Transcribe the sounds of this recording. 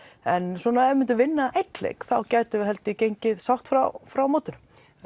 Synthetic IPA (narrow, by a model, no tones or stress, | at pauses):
ɛnswɔːnaɛɾmɪnt̪ʏvɪnːaejt̪lḛːjkθawcaːjt̪ɪɦɛlt̪ɪcejɲcɪðsawht̪fɾa̰wfɾawmoːwt̪ʏn